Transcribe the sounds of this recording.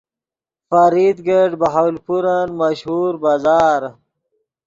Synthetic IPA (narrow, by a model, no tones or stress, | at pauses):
fɐɾid̪ɡeɖbɐɦawlpuɾanmɐʃhuːɾbaːzaːɾ